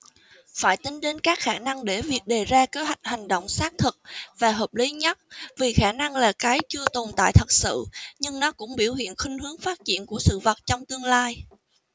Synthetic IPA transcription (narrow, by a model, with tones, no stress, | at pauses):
faː˧˩jt̪ï˨˦ŋɗe˨˦nkaː˦˥k̚xaː˧˩na˧ŋɗe˧˩vi˨˩ək̚ɗe˨˩zaː˧ke˨˦ɦwa˨˩jk̚ha˨˩ŋ̟ɗo̰˧˨wŋ͡msaː˦˥k̚t̪ʰɨ˨˩k̚vaː˨˩ɦəː˨˩p̚li˨˦ɲə˦˥t̚vi˨˩xaː˧˩na˧ŋlaː˨˩kaː˨˦jt͡ɕɨ˧ət̪o˨˩nt̪a̰ː˧˨jt̪ʰə˨˩t̚sɨ̰˧˨ɲɨ˧ŋnɔ˨˦kʊ̰˧˥ŋ͡mɓi˧˩əwhḭ˧˨ənxi˧ŋ̟hɨ˨˦əŋfaː˦˥t̚t͡ɕḭ˧˨ənku˧˩əsɨ̰˧˨və˨˩t̚t͡ɕɔ˧wŋ͡mt̪ɨ˧əŋlaː˧j